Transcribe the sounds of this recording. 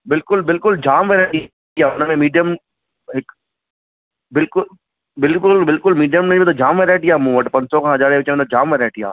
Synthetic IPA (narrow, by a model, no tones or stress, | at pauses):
bɪlkʊlbɪlkʊld͡ʑaːmʋeɾaːʈi | jaːʊnəmẽmiːɖijəm | ɦɪk | bɪlkʊl | bɪlkʊlbɪlkʊlmiːɖijəmnẽẽt̪ʰod͡ʒaːmʋeɾaːʈɪjaːmũːʋɐʈpɐ̃ɲsɔkʰãːɦɐd͡ʒaːɾeʋɪt͡ɕmẽt̪od͡ʒaːmʋeɾaːʈɪja̰ː